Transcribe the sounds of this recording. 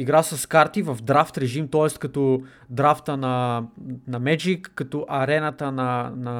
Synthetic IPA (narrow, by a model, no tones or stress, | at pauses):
iɡɾasɐskaɾt̪ivɐvd̪ɾaft̪ɾɛʒimt̪ɔɛst̪̚kɐt̪ɔ | d̪ɾaft̪ənɐ | nɐmɛd͡ʒikːɐt̪ɔʔɐɾɛnət̪ənɐnɐ